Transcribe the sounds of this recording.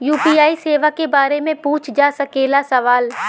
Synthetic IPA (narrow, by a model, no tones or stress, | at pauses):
juːpiːaːiseːʋakebaːɾemẽpuːt͡ʃʰd͡ʒaːsɐkeːlasɐʋaːl